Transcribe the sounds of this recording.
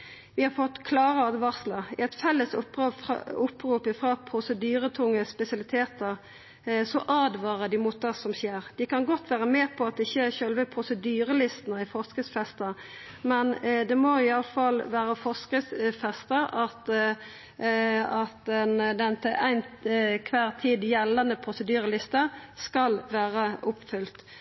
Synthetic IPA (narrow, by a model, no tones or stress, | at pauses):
ʋɪhɑɾfɔt̪ːkʰlɑːʁəɑːd̪ʋɑʁsləɪɛɪt̪fɛlːəsʊpːʊpɾuːpɪfɾɑpʰɾʊsəd̪yːɾət̪ʰʊŋːəspɛsɪɑlɪt̪ʰeːt̪əʁ | sɔʔɑːd̪ʋɑːʁəd̪ɪmʊːt̪̚d̪ɑsɔmɕeːʁd̪̥ɪkʰɑnɡɔt̪ːʋæːʁəmeːpʰɔɑt̪̚d̪ɛɪçːəçœlʋəpʰɾʊsəd̪yːɾəlɪst̪nəɪfɔʁskəsfɛst̪ə | mɛnd̪ɛmɔɪɑlfɑlʋæːɾəfɔʁskəsfɛst̪əɾɑt̪ | ɑt̪ɛnd̪ɛnt̪ʰæɪnkʰʋæːʁt̪ʰiːd̪jɛlːɑnəpʰʁʊsəd̪yːɾəlɪst̪əskɑlʋæːʁəʔʊpːfʏlt̪